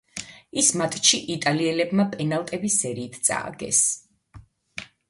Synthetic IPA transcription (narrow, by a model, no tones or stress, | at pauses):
ismat̪ʼʰt͡ʃʰiʔit̪ʼaliɛlɛbmapʼɛnalˠt̪ʼɛbisɛɾiːt̪ʰt̪sʼa̰ːɡɛ̰s